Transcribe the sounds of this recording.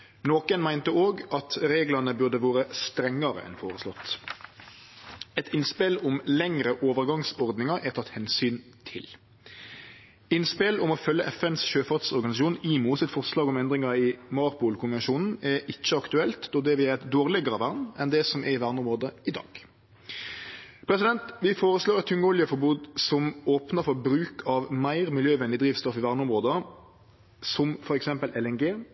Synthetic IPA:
noːkənmæɪnt̪əoːɡɑt̪ɾeːɡlɑnəbʉʁd̪əʋoːɾəst̪ɾɛŋːɑɾə̰ʔɛ̰nfoːɾəslɔt̪ː | ɛt̪ɪnspɪlʊmlɛŋɾəʔoːʋəɾɡɑŋsɔɾd̪nɪŋɑɾʔæt̪ʰɑt̪ːhɛnsyːnt̪ʰɪl | ɪnspɪlɔmɔfœlːəʔɛfɛnsɕøːfɑt̪sɔɾɡɑnɪsɑʃuːniːmuːsɛt̪fɔʁslɑːɡɔmɛnd̪ɾɪŋɑɪmɑɾpuːlkʰʊnʋɛnʃuːnn̩ɛɾʔɪçːəɑkt̪ʉɛlt̪d̪ɔd̪ɛʋɪɛʁɛt̪d̪oːʁlɪɡəɾəʋæʁnɛnd̪ɛsɔmʔɛɪʋæʁnəʊmʁoːd̪əɪd̪ɑ̰ːɡ̥ | pʰɾɛsɪd̪ɛnt̪ʋɪfoːɾəsloːɾɛt̪ʰːʉŋːəɔljəfɔɾbuːd̪sɔmoːpnəɾfɔɾbɾʉːkʰɑʋmæɪɾmɪljøːʋɛnd̪ɪd̪ɾiːʋst̪ɔfɪʋæʁnəʊmʁoːd̪ə | sɔmfɔɾɛksɛmpəlʔɛlɛŋɡeː

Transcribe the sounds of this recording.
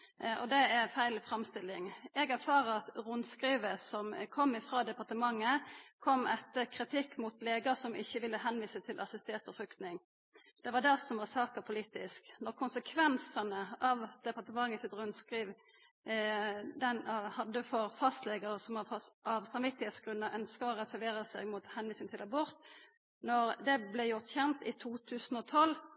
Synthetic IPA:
ʔɔ̰d̪ɛæfæɪlfɾɑmst̪ɪlːɪŋɛɡæɾfɑːʁəɾɑt̪ʁʊnskɾiːʋəsɔmkʰɔmːɪfɾɑːd̪ɛpɑʁt̪əmɑŋːəkʰɔmːɛt̪ːəʁkʰɾɪt̪ʰɪkːmʊt̪leːɡəsɔmɪçːəʋɪlːəɦɛnʋiːsət̪ʰɪlʔɑsɪst̪et̪ɔfɾʏkt̪nɪŋ | d̪̥ɛʋɑd̪ɛsɔmʋɑsɑːkəpʰʊliːt̪ɪsknɔʁkʰʊnsəkʰʋɛnsənəɑʋd̪̥ɛpɑʁt̪əmɑŋːəsɪt̪ʁʉnskʁiːʋ | d̪ɛnhɑd̪əfɔʁfɑst̪leːɡəʁəsɔmɑɑɑʋsɑmʋɪt̪ːɪheːt̪sɡ̥ɾʉnːəɾʔœnskəɔʁɛsæɾʋeːɾəsɛ̰ɡmʊt̪hɛnʋiːsɪŋt̪ʰɪlɑbɔɾt̪ | nɔɾd̪ɛblɛjʊʁt̪çɛnt̪ɪt̪ʰuːt̪ʰʉːsn̩ɔt̪ʰɔlː

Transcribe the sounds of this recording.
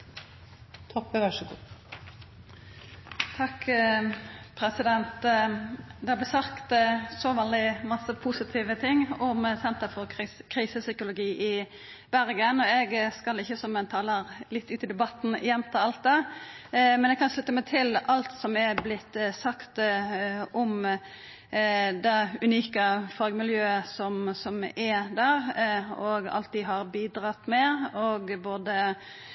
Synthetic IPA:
t̪ʰɔpːəʋæʂəɡṵː | t̪ʰɑk | pʰɾɛsɪd̪ɛnt̪ | d̪ɛhɑblæsɑkt̪sɔʋɑld̪ɪmɑsəpʰusɪt̪ʰiːʋət̪ʰɪŋːɔmsɛnt̪əfɔʁkʰʁiːsəsʏkʊlʊɡiːʔɪ | b̥æɾɡənɔɛɡskɑlɪçːəsɔmɛnt̪ʰɑːləɾlɪt̪ːʉːt̪ɪd̪ɛbɑt̪n̩ɪjɛnt̪ʰɑɑlt̪̚d̪ɑ | mɛnɛɡkʰɑnslʉt̪ːəmæt̪ʰɪlɑlt̪sɔmɛɾblɪt̪ːsɑkt̪ | ʔɔm | d̪ɛʉniːkəfɑːɡəmɪljøːəsɔmsɔmɛd̪æɾɔɡɑ̰lt̪̚d̪ɪɦɑɾbiːd̪ɾɑt̪mɛɔɡboːd̪ə

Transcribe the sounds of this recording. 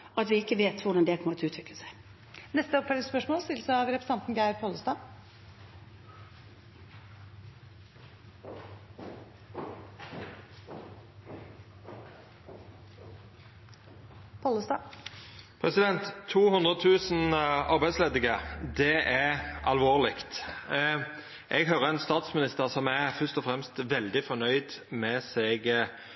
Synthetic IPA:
ɑt̪ʋɪɪkːəʋeːt̪ʋʊɖɑnd̪ɛkʰɔmɔt̪ʉːt̪ʰʋɪkləsæɪ | nɛst̪əɔpfɛlɪspœʂmoːlst̪ɪlsəɑʋɾɛpɾəsɑnt̪n̩ɡæɪɾpʰɔləst̪ɑː | pʰɔləst̪ɑ | pʰʁɛsɪd̪ɛnt̪ʰːuːhʉnd̪ʁəɔt̪ʰʉːsn̩ɑʁbæɪd̪sleːd̪ɪɡəd̪ɛʔæʔɑlʋoːʁlɪkt̪ | ʔɛɡhøːʁəɛnst̪ɑːt̪smɪnɪst̪əʁsɔmæfœst̪ɔfʁɛmst̪ʋɛld̪ɪfɔʁnœʏd̪mɛseːɡ

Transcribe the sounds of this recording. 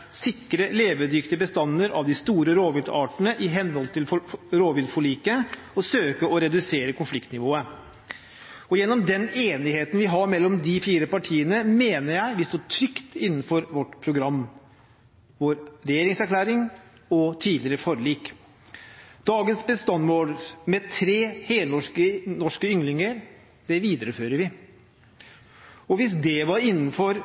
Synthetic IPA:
sɪkːɾəleːʋəd̪ʏkt̪əbəst̪ɑnːəɾʔɑ̰ʋd̪ɪst̪uːɾəɾoːʋɪld̪ɑːʈnəʔɪɦɛnhɔlt̪ʰɪlɾoːʋɪld̪fɔɭiːkə | ɔsøːkəɔɾɛd̪ʉseːɾəkʊnflɪkt̪nɪʋoːə | ɔjɛnːɔmd̪ɛneːnɪheːt̪n̩ʋɪɦɑɾmɛlːɔmd̪ɪfiːɾəpɑʈʰiːənəmeːnəɾjæɪʋ̪ɪsɔʈʰɾʏkt̪ɪnːənfɔɾʋɔʈːpʰɾʊɡɾɑmː | ʋoːɾɾɛjeːɾɪŋsæɾkʰlæːɾɪŋ | ɔt̪ʰiːlɪəɾəfɔɾɭiːk | d̪̥ɑːɡənsbəst̪ɑnmoːlmɛt̪ʰɾeːheːlnɔʂkənɔʂkəʏŋlɪŋəɾ | d̪̥ɛʋiːd̪əɾəføːɾəɾʋɪ | ɔʋɪsd̪ɛʋɑɾɪnːənfɔɾ

